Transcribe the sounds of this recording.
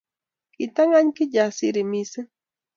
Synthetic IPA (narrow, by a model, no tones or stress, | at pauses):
kit̪aŋaɲkijasiɾimisɨ